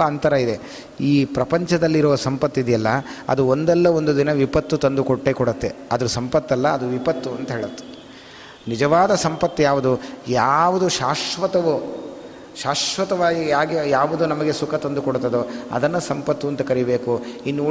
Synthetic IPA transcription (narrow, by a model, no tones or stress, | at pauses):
ɐɐnt̪ɐɾɐid̪e̞ | iːpɾɐpɐɲt͡ʃɐd̪ɐlːiɾɔʋɐsɐmpɐt̪ːid̪jɐlːɐɐ̰d̪uond̪ɛlːɐond̪ud̪inɐʋipɐt̪ːut̪ɐnd̪ukoʈːekɔɽɐt̪ːe̞ɐd̪ɐɾusɐmpɐt̪ːɐlːɐːd̪uʋipɐt̪ːuɐnt̪ɐɦeːɭut̪ːe̥ | nid͡ʒɐʋaːd̪ɐsɐmpɐt̪ːijaːʋud̪ujaːʋud̪uʃaːʂʋɐt̪ɐʋu | ʃaːʂʋɐt̪ɐʋaːɡijaːɡijaːʋud̪unɐmɐɡesukʰɐt̪ɐnd̪ukɔɽt̪ɐd̪uɐ̰d̪ɐnːɐsɐmpɐt̪ːuɐnt̪ɐkɐɾibe̞ːkuinːuː